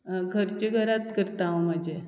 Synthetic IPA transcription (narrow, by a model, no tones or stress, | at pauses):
ɡʱəɾt͡ɕeɡʱəɾat̪kəɾt̪aʋõməd͡ʑe